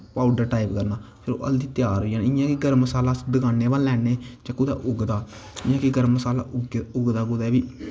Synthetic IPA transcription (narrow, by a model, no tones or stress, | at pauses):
paːʊɖəɾʈaːipkəɾnaː | sɪɾo̰ːʔə̰ld̪iːt̪jaːɾoãːnɪjãːkiɡəɾməsaːlaːd̪əɡaːneːballɛːneːd͡ʒakːud̪a̰ːʔʊɡd̪aː | ɪjãːkiɡəɾməsaːla̰ːɡʊɡd̪aːkʊd̪ɛːʋiː